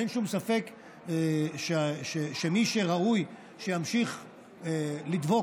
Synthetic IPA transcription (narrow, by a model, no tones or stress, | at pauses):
enʃumsafe̞k | ʃeʃeʃemiʃeʁauj | ʃejamʃiχ | elid̪vo